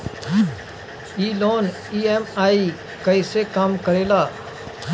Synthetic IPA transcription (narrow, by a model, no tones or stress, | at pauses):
iːloːn | iːɛːmaːiː | kəiseːkaːmkəɾeːlaː